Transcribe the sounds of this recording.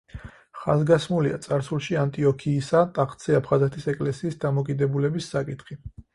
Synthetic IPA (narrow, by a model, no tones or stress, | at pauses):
χazɡasmulia̰t̪sʼaɾsulˠʃiant̪ʼiɔkʰiːsat̪ʼaχʰʼt̪siapʰχazɛt̪ʰisɛkʼlɛsiːsd̪amɔkʼid̪ɛbulɛbisːakʼit̪ʰχi